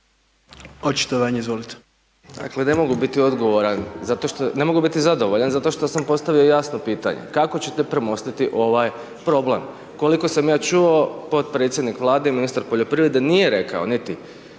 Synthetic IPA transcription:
ot͡ʃi̥t̪oʋaɲeizʋolit̪e̥ | d̪̥a̰kle̞ne̞mo̞ɡubit̪io̞d̪ɡoʋo̞ɾanzat̪o̞ʃt̪one̞mo̞ɡubit̪izad̪o̞ʋoʎanzat̪o̞ʃt̪o̞sampo̞st̪aʋio̞jasnopiːt̪a̰ɲḛkako̞t͡ɕe̞t̪epɾemo̞st̪it̪iʔo̞ʋaj | pɾo̞ble̞m | ko̞liko̞samjaːt͡ʃuo̞po̞t̪̚pɾet̪sʲjed̪nikʋlˠaːd̪e̞iminist̪aɾpoʎo̞pɾiʋɾed̪enijeɾe̞ka̰o̞̰nit̪i

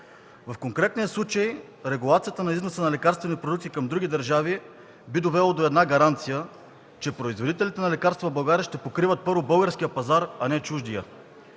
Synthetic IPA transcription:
vəfkoŋkɾɛt̪niəslˠut͡ʃəj | ɾɛɡulˠat̪sijət̪ənɐiznosənɐlɛkaɾst̪vɛnipɾod̪uk̪̚t̪ikɐmd̪ɾuɡ̟ʲid̪əɾʒavi | bid̪ovɛlˠod̪oɛd̪naɡɐɾant̪sijə | t͡ʃɛpɾoizvod̪it̪ɛlit̪ɛnɐlɛkaɾst̪vɐbɐlˠɡaɾʲəʃt̪ɛpokɾivət̪̚pɤɾvobɤlˠɡəɾsk̟ijəpɐzaɾɐnɛt͡ʃuʒd̪ijə

